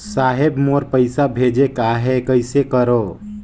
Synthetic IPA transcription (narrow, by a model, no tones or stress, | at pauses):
saːɦebmoɾpəɪsabʱeːd͡ʒekaɦekəɪsekəɾo